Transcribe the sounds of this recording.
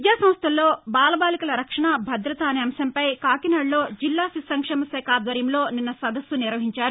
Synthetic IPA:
jaːsɐ̃mst̪ʰɐlːo̞ːbaːlɐbaːlikɐlɐɾɐkʂɐɳabʱɐd̪ɾɐt̪ɐːneɐmsɐmpɐjkaːkinɐɽloːd͡ʒilːaːsisɐŋkʂeːmɐsɛːkaːd̪ʋɐɾjɐmlo̞ːninːɐsɐd̪ɐsʋuniɾʋɐɦiɲt͡ʃaːɾu

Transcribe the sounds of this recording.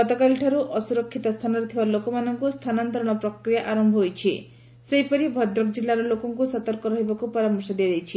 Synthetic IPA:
kɔt̪ɔkalʈʰaɾuʔɔsuɾɔkʰːit̪ɔst̪ʰanɔɾet̪ʰibalokɔmanɔŋkust̪ʰanant̪ɔɾɔɽ̃ɔpɾɔkɾijaʔaɾɔmbʱɔɦojt͡ʃʰi | seɦipɔɾibʱɔd̪ɾɔkd͡ʒilːaɾɔlokɔŋkusɔt̪ɔɾkɔɾɔɦebakupɔɾamɔɾsɔd̪ijad̪ejt͡ʃʰi

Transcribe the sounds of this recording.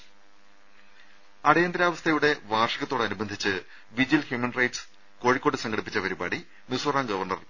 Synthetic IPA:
ɐɽɐjɐnd̪ɾaːʋɐst̪ʰɐjuɽe̞ʋaːrʂɐɣɐt̪ːoɽɐnubɐnd̪ʱit͡ɕːɨ | ʋid͡ʑilhjumɐnrɐjʈs | koːɻikːoːʈːɨsɐŋɡʰʱɐɽipːi̥t͡ɕːɐpɐɾiba̰ːɽi | musoraːŋɡɐʋɐrɳɐr

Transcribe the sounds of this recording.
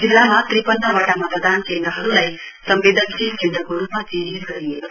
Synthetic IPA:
d͡zilːamat̪ripʌnːʌbaʈamapʌd̪ant͡ʃend̪ɾʌɦʌɾulaj | sʌmbed̪ʱʌnsiɡʱinɾʌkoɾupmad͡ziɾiɾɡʌɾije

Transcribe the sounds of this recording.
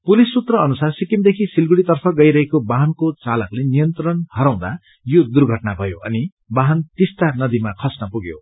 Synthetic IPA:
pulisːut̪rʌʌnusarsikimd̪ekʰisilɡuɽit̪ʌrpʰʌɡʌjɾʌɦekobaɦʌnkot͡salʌklenijʌnt̪rʌnhʌɾaw̃d̪a̰ | jod̪urɡʱʌʈnabʱʌjoʔʌ̰ni | baɦʌnt̪ist̪anʌd̪imakʰʌsnʌpuɡjo̰

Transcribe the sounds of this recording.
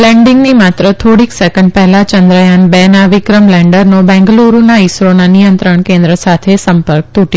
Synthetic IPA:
lɛ̃ɳɖĩŋɡnimat̪ɾət̪ʰoɽiksɛkə̃ɳɖ̚pɛɦlat͡ʃə̃nd̪ɾəjanbɛnaʋikɾəmlɛ̃ɳɖəɾnobɛ̃ŋɡluɾunaisɾonanijə̃nt̪ɾəɳkẽnd̪ɾəsat̪ʰesəmpəɾk̚t̪uʈ

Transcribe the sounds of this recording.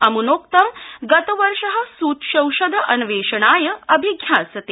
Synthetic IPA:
ɐmunoːkt̪ɐmɡɐt̪əʋəɾʂɐɦɐ̆suːt̪ɕɐ̃wʃɐd̪ʱɐʔɐnʋeːʂəɳaːjəɐbʱiɡʱjaːsɐt̪e

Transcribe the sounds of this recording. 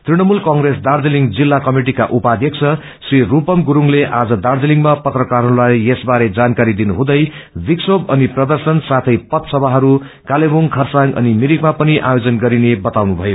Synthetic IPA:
t̪riɽ̃ʌmulkʌŋɡɾesd̪ard̪eliŋd͡zilːakʌmiʈikaʔupad̪ʱjʌkt͡sʰʌ | srirupʌmɡuɾuŋleʔad͡zʌd̪ard̪eliŋmapʌt̪rʌkarɦɾulajesbaɾed͡zankaɾid̪inuɦũd̪ʌjbiksobʌniprʌd̪ʌrsʌnsat̪ʰʌjpʌt̪sʌbʱaɦʌɾu | kalebuŋkʰʌrsaŋʌ̰nimiɾikmapʌniʔa̰jod͡zʌnɡʌɾinebʌt̪awnubʱʌjo

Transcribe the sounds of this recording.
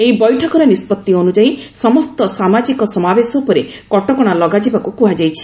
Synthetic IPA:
eibɔjʈʰɔkɔɾenispɔt̪ːionud͡ʒajsɔmɔst̪ɔsamad͡ʒikɔsɔmabesɔupɔɾe | kɔʈɔkɔɽ̃alɔɡad͡ʒibakukuɦad͡ʒajt͡ʃʰi̥

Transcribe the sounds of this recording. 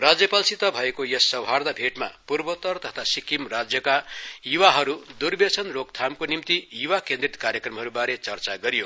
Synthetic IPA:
rad͡zjʌpalsit̪ʌbʱʌekojʌsːʌwɦard̪abʱeʈma̰purbʌt̪ʌrt̪ʌt̪ʰasikimrad͡zjʌkajiwaɦʌɾud̪urbet͡sʰʌnrok̚t̪ʰamkonimt̪iiwakend̪rit̪kaɾjʌkrʌmɦʌɾubaɾet͡sʌrt͡saɡʌɾijo

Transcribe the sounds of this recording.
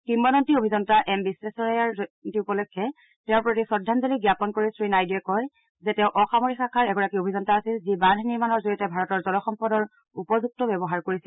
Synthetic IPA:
kimːɔnɔntiobʱizɔntaʔɛmbisːɛsɔɹjaɹtiupɔlɔkʰːɛ | tɛʊɹpɹotisɔdʱːanzɔliɡjapɔnkoɹisɹinajdiɛkɔj | zɛtɛ̃ʊ̃ʔɔxamoɹixakʰaɹɛɡɔɹakiobʱizɔntaːsilzibandʱniɹmanɔɹzoɹiɔtɛbʱaɹɔtɔɹzɔlɔxɔmpɔdɔɹ | upɔzuk̚tɔbɛbɔɦaɹkoɹisil

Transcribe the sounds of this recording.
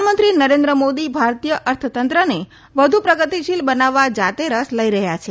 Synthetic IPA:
mənt̪ɾinəɾend̪ɾəmod̪ibʱaɾt̪ijəʔəɾt̪ʰət̪ənt̪ɾəne | ʋəd̪ʱupɾəɡət̪iʃilbənaʋːad͡ʒat̪eɾəsləiɾəɦjat͡ʃʰe

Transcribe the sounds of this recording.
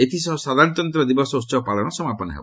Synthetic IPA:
et̪ʰisɔɦɔsad̪ʱaɾt̪ɔnt̪ɾɔd̪ibɔsɔust͡ʃɔɔpalɔɽ̃ɔsɔmapɔnɔɦḛbɔ

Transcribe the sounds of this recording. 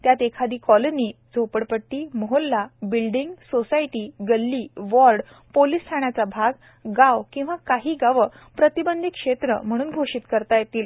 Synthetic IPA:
t̪jat̪ekʰad̪iːkɔloniːd͡zʱopəɽpəʈːiːmoɦolːabilɖiŋɡsosaiʈiːɡəlːiːʋɔɾɖ | poliːst̪ʰaɳ̃jat͡sabʱaɡ | ɡawkĩw̃ʋakaɦiːɡaʋə | pɾət̪ibənd̪ʱikʂet̪ɾə̰m̤əɽ̃uːnɡʱoʂiːt̪kəɾt̪ajet̪iːl

